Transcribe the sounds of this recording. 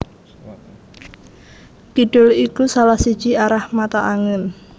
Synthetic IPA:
kiɖ̥ʊlikusalahsid̥ʒ̥iaɾahmat̪aʔaŋən

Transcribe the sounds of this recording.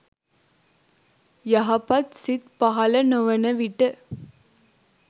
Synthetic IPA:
jɐɦɐpɐt̪sɪt̪pɐɦɐlɐnɔʋɐnɐʋɪʈːɯ

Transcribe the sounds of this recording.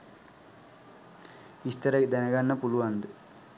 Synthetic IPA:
ist̪ɐɾɐd̪ɐnɐɡɐnːɐpuluʋɐnd̪ɯ

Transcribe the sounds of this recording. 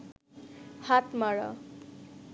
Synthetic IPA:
hat̪maɾʌ̰

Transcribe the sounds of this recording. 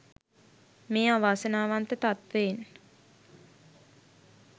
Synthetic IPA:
meːaʋaːsənaːʋant̪ət̪at̪ʋeːn

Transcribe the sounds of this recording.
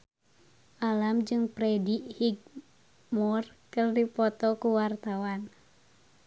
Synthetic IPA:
ʔalamd͡ʒɨŋpɾɛdiʔhiɡ̚ | mɔrkərdipɔt̪ɔkuwart̪awan

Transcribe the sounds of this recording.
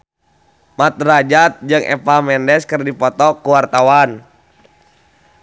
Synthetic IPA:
mat̪̚rad͡ʒat̪̚d͡ʒɨŋʔɛ̰pamɛndɛskɨrdipɔt̪ɔkuwart̪awan

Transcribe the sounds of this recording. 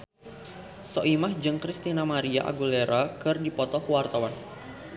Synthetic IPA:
sɔʔimahd͡ʒɨŋkɾist̪inamaɾia̰ʔa̰ɡuleɾakɨrdipɔt̪ɔhwart̪awan

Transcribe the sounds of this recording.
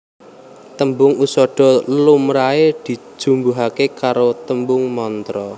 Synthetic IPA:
t̪əmbʊŋusɔɖ̥ɔ̤lumɾaed̪̥i̤̥ʒ̥ṳmbuɦakekaɾot̪əmbʊŋmɔnt̪ɾɔ

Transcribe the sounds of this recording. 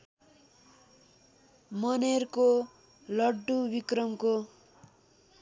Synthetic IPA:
mʌnerko | lʌɖːubikrʌmko

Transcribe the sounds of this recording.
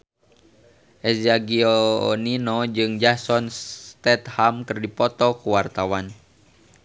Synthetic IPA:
ʔɛzaɡioninɔd͡ʒɨŋd͡ʒasɔnst̪ɛt̪hamkɨrdipɔt̪ɔkuwart̪awan

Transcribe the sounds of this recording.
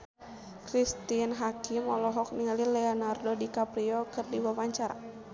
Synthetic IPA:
kɾist̪inɦakimɔlɔɦɔk̚niŋalilɛɔnardɔdikapɾiɔkɨrdiwawaɲt͡ʃaɾa̰

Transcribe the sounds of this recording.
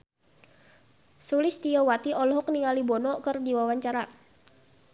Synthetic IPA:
sulist̪iɔwat̪iʔɔlɔɦɔk̚niŋalibɔnɔkɨrdiwawaɲt͡ʃaɾa

